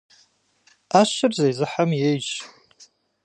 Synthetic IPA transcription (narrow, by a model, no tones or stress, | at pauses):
aʃɨrzajzɨħamjejʒ